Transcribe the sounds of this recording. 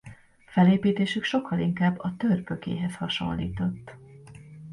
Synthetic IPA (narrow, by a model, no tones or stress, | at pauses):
fɛleːpiːt̪eːʃykʃo̞kʰːɒliŋkaːbːɒt̪ørpø̞kḛːɦɛshɒʃo̞̰nlḭːt̪o̞t̪ː